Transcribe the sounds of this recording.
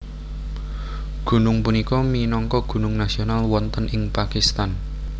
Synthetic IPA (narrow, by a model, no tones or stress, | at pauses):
ɡ̥ṳnʊŋpunikɔminɔŋkɔɡ̥ṳnʊŋnasionalwɔnt̪ənʔɪŋpakist̪an